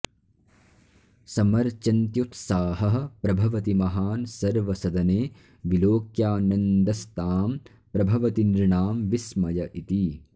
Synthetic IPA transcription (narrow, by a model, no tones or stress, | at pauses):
sɐmɐɾt͡ʃɐnt̪jut̪saːɦɐɦɐpɾɐbʱɐʋɐt̪imɐɦaːnsɐɾʋɐsɐd̪ɐneː | ʋiloːkjaːnɐnd̪ɐst̪aːm | pɾɐbʱɐʋɐt̪iniɾɳaːmʋismɐjɐʔit̪i